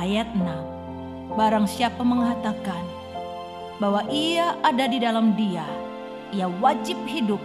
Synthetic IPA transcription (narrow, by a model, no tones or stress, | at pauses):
ajat̪̚ənam | baɾaŋsiapaməŋɦat̪akan | bawaʔiaʔadadidalamdia | iawad͡ʒɪp̚hidʊp̚